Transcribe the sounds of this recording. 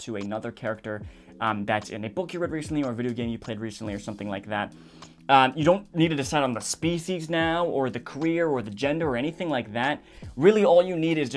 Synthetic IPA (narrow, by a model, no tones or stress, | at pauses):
tʰɨɨnʌðə˞kʰɛɹɨk̚tə˞ | ʔʌ̃mðætsɨ̰̃nɨbʊkjɨɹɛd̚ɹisn̩ʔliə˞ɨvɪɾioʊɡẽɪ̃mjɨpʰl̥eɪd̚ɹisn̩ʔliə˞sʌ̃mθɪ̃ŋlaɪk̚ðæt̚ | ʌjɨɾõʊ̃nnid̚tʰɨdɨsaɪɾn̩ðəspiʃiznaʊə˞ðɨkʰə˞ɪɹə˞ðɨd͡ʒɛ̃ndə˞ə˞ɛɾ̃iθɪ̃ŋlaɪk̚ðæt̚ɹɪlˠiɔlˠjɨniɾɨzd͡ʒ